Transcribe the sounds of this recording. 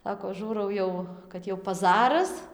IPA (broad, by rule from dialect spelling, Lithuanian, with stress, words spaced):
ˈsɑːkoː ˈʒuːrɐʊ jɛʊ kɐt ˈjɛʊ pɐˈzɑːrɐs